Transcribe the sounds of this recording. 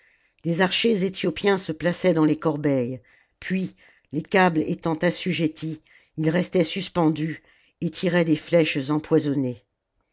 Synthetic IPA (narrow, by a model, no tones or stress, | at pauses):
lezaʁʃezet̪jɔpjɛ̃səplasɛd̪ɑ̃lekɔʁbɛj | pʰɥi | lekablḛt̪ɑ̃t̪asyʒet̪ʰi | ilʁɛst̪ɛsyspɑ̃d̪y | et̪ʰiʁɛd̪eflɛʃzɑ̃pwazɔne